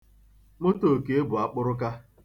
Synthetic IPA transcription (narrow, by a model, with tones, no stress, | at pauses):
mo˦to˨ke˨e˦bʊ˨a˨k͡pʊ˦ɾʊ˦ka˦